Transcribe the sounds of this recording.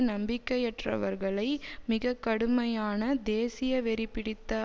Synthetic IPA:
nɐmbɪkːɐjɛʈrɐ̰ʋɐɾɣɐɭɐɪmɪɣɐkːɐɽɯmɐjaːnɐd̪eːsɪjɐʋɛɾɪpːɪɽɪt̪ːɐ

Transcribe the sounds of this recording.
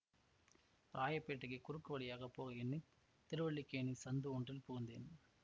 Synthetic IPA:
ɾaːjɐpːeːʈːɐɣɐkʊɾɯkːɯʋɐɽɪjaːɣɐpːoːɣɐɪnːi | t̪ɪɾɯʋɐɭːikːeːɳisɐnd̪ɯɔɳdrɪlpʊɣɯnd̪eːn

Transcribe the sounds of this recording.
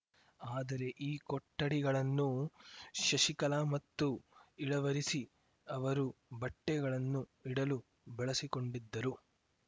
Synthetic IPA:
aːd̪ɐɾe̞ʔiːkɔʈːɐɽiɡɐɭɐnːu | ʃɐʃikɐlaːmɐt̪ːuiɽɐʋɐɾisi | ɐʋɐɾubɐʈːɛɡɐɭɐnːuiɽɐlu | bɛɭɐsiko̞ɳɖid̪ːɐɾu

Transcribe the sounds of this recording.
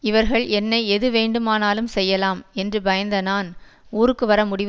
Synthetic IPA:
ɪʋɐɾɣɐɭʔɛnːɐɪɛðɯʋeːɳɖɯmaːnaːlɯmsɛjːɐlaːmɛndrɯbɐjɐnd̪ɐnaːnuːɾɯkːɯʋɐɾɐmʊɽɪʋ

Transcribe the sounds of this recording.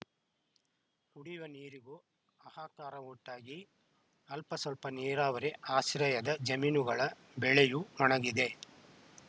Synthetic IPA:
kuɽiʋɐniːɾiɡu | ɐhaːkaːɾɐuʈːaːɡi | ɐlpɐsɐlpɐniːɾaːʋɐɾeaːʃɾɐjɐd̪ɐd͡ʒɐmiːnuɡɐɭɐ | bɛɭejumɔɳɐɡid̪e̞

